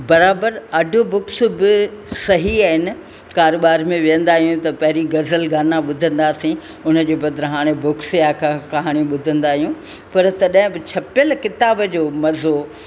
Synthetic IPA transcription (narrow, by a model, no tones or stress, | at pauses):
bɐɾaːbəɾɐɖʱobʊksʊ̆bɪsɐɦiaːɦɪnɪ̆ | kaːɾoːɓaːɾmẽʋijə̃nd̪aːɦijũt̪ɐpɐɦɪɾiɡɐzəlɡaːnaɓʊd̪ʱə̃nd̪aːsĩ | ʊnə̆d͡ʑeːbɐd̪ɾɐɦaːɽ̃ebʊksjakʰãkɐɦaːɽ̃iɓʊd̪ʱə̃nd̪aːɦijũ | pɐɾt̪ɐɗɦɪ̃bɪt͡ɕʰɐpjəlkɪt̪aːbəd͡ʑoːmɐzo